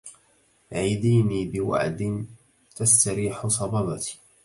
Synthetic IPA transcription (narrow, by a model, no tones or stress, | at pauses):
ʕiːd̪iːniːbɪwa̰ʕd̪ɪn | t̪ast̪aɾiːħʊsˤɑbɑbɑt̪i̥ː